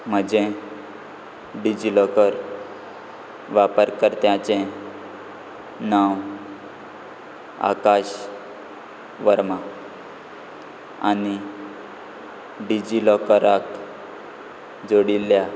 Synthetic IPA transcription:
m̤əd͡ʑẽ | ɖid͡ʑilɔkəɾ | ʋapəɾkəɾt̪jãt͡ɕẽ | naw | a̰kaɕ | ʋəɾma | a̰ni | ɖid͡ʑilɔkəɾak | d͡zoɽilːja

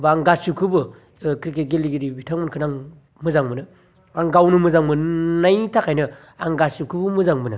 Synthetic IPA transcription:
baŋɡasukʰɯbɯ | kɾikeɡeliɡiɾibitʰaŋmɯnkʰɯnaŋ | mɯzaŋbɯnɯ | aŋɡawnumɯzaŋbɯnnajtʰakʰajnɯ | aŋɡasukʰɯbɯmɯzaŋbɯnɯ

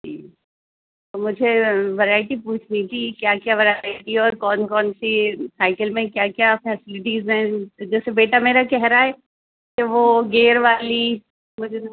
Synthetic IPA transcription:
ḭː | t̪omʊd͡ʒʱeʋɐɾaːɪʈipuːt͡ʃʰnit̪ʰikjaːkjaːʋɐɾaɪʈiɔːɾkɔːnkɔːnsisaːɪkəlmẽkjaːkjaːfɛːsɪlɪʈizɦɛ̃ːd͡ʒɛːsebeːʈameːɾakɛɦɾaɦɛː | keʋoːɡeːɾʋaːli | mʊd͡ʒʱe

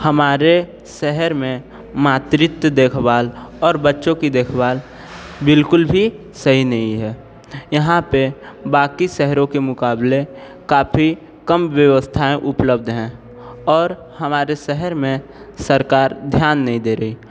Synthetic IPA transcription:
həmaːɾe | sɛɦəɾmẽ | maːt̪ɾɪt̪d̪eːkʰbaːlɔːɾbətːʃõkid̪eːkʰbaːl | bɪlkʊlbʱi | səɦinɐɦĩɦɛː | jəɦãpebaːkisɛɦəɾõkemʊkaːble | kaːpʰi | kəmʋjəʋəst̪ʰaẽʔʊpləb̚d̪ʱɦɛ̃ | ɔːɾ | həmaːɾesɛɦəɾmẽ | səɾkaːɾd̪ʱjaːnːəɦĩd̪eːɾəiː

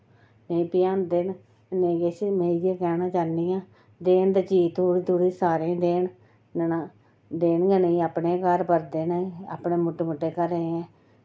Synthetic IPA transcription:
neĩːpɪjãːnd̪ɪn | nẽɡet͡ʃmẽːjeːkɛːnãːt͡ʃaːnːiːãː | d̪eːnd̪aːt͡ʃiːt̪uːɽit̪uːɽiːsaːɾẽːd̪eːn | nənaː | d̪eːnɡɛːnəĩaːpneːkəɾpəɾd̪eːnaia̰ːpneːmʊʈːemʊʈːeːkəɾəẽɛ̃ː

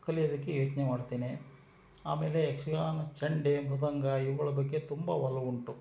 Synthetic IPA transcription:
kːɐlijɐd̪ɐkːejoːt͡ʃnɛmaːɽt̪eːne | a̰ːmeːleːkʂɐɡaːnɐt͡ʃɐɳɖemɾud̪ɐŋɡɐiʋːɐɭɐbɐkːet̪umbɐ̰ʋɐlːɐuɳʈu

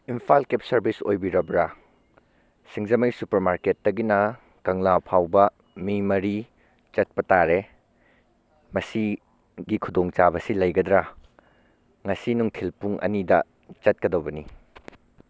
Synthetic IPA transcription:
impʰalkep̚sɐɾbisojbiɾɐbɾɐ | siŋzɐmɐjsupɐɾmaɾketːɐɡinɐ | kɐŋlapʰawbɐ | mimɐɾi | t͡ʃɐt̚pɐtaɾe | mɐsi | ɡikʰudoŋt͡ʃabɐsilɐjɡɐd̪ɾɐ | ŋɐsinuŋtʰilpuŋʔɐ̰nidɐ | t͡ʃɐt̚kɐdɐwbɐni

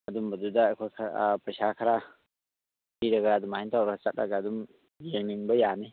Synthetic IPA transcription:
ɐdumbɐdudakʰojkʰapɐjsakʰaɾa | biɾɐɡaːdumaajntʰawɾɡat͡ʃat̚ɾaɡaːdum | jeŋniŋbɐjane

